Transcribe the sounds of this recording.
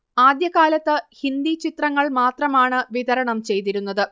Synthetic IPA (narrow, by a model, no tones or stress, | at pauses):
aːd̪jɐɣaːlɐt̪ːɨhind̪it͡ɕit̪rɐŋːɐɭmaːt̪rɐmaːɳɨʋiðɐɾɐɳɐmt͡ɕe̞jt̪iɾunːɐðɨ